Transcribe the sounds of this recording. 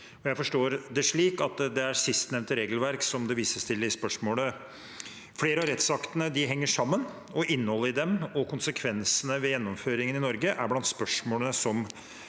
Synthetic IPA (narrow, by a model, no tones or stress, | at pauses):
ɔjæɪfɔʂʈoːɾd̪ɛʂɭiːkɑt̪d̪ɛæɾsɪst̪nɛʋnt̪əɾeːɡəlʋæɾksɔmd̪ɛʋiːsəst̪ʰɪld̪ɪspœʂmoːlə | fleːɾəɑɾɛt̪sɑkt̪ənəd̪ɪɦɛŋːəʂɑmːən | ɔʔɪnːhɔlːəɾɪd̪ɛmɔkʰʊnsəkʰʋɛnsənəʋɛjɛnːɔmføːɾɪŋənɪnɔɾɡəʔæɾblɑnt̪spœʂmoːlənəsɔm